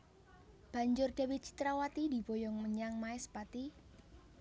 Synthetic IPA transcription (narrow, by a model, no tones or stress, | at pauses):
b̥a̤ɲd͡ʒʊrd̥a̤wit͡ʃi̥t̪ɾawat̪idibojɔŋməɲaŋmaɛspat̪i